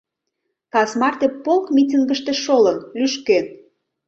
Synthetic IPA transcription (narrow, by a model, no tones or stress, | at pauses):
kɑsmɑrt̪epːolkmʲitʲiŋɡəʃt̪eʃolənlyʃken